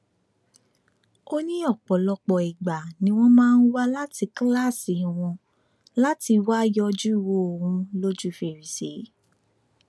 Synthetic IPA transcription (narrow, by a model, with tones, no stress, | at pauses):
o˦nĩ˦ɔ˦˨k͡pɔ˨lɔ˧k͡pɔ˨i˨ɡ͡ba˨nĩ˧w̃ɔ̃˦mãː˦˧n̩˦wa˦la˦ti˧kla˦˨si˨w̃ɔ̃˧ | la˦ti˧wa˦jɔ˧d͡ʒu˦i˦˧˨wo˦o˨hũ˧lo˦d͡ʒu˦˨fe˨ɾi˨sḛ˨˦